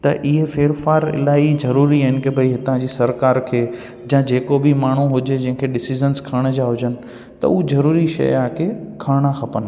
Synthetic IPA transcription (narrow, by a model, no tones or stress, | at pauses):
t̪ɐʔɪɦefeːɾfaːɾɪ̰laːizɐɾuːɾiaɦɪnɪ̆kebʱɐiɦɪt̪ãd͡ʑiːsɐɾkaːɾkʰeː | d͡ʑãːd͡ʑeːkobɪmaːɳ̤uɦʊd͡ʑed͡ʑɐ̃ɦɪ̃kʰeɗɪsizənskʰaɽ̃əd͡ʑaːɦʊd͡ʑənɪ̆ | t̪ɐ̰uzɐɾuːɾiʃɐ̰jaːkʰekʰaːɽ̃axɐpənɪ̆